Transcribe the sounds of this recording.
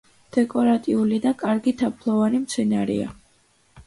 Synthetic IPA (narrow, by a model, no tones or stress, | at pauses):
d̪̥ɛkʼɔɾat̪ʼiulid̪akʼaɾɡit̪ʰapʰlˠɔvanimt̪sʰɛnaɾḭa̰